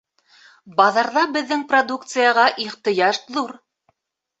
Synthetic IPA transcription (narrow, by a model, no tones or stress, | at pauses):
bɑðɑɾðɑbɘ̆ðːɘŋprod̪ukt̪sɨjɑʁɑʔiχt̪ɤ̆jɑʃðuɾ